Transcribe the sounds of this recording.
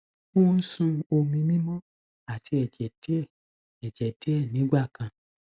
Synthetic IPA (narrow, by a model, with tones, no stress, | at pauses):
o˦n̩˦sũ˧o˧mĩ˧mĩ˦mɔ̃˦ | a˨ti˧ɛ˨d͡ʒɛ˨de˦˨ | ɛ˨d͡ʒɛ˨de˦ɛ˦˨nĩ˨˦ɡ͡ba˦˨kã˨˧